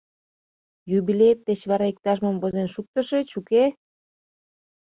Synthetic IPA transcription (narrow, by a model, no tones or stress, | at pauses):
jubilʲet̪ːet͡ɕβɑɾɑik̚t̪ɑʃməmvozenʃuk̚t̪əʃe̽t͡ɕuke